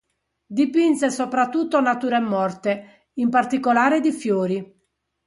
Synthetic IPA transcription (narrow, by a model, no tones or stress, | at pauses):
d̪ipinsɛsopɾat̪ːut̪ːonat̪uːɾɛmːɔrt̪e | impart̪ikolaːɾed̪ifjoːɾi